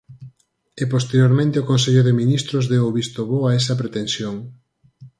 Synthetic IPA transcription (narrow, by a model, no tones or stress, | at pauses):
epost̪eɾjoɾmẽnt̪eokonseʎoðeminist̪ɾozðeoβist̪oβoaesɐpɾet̪ensjoŋ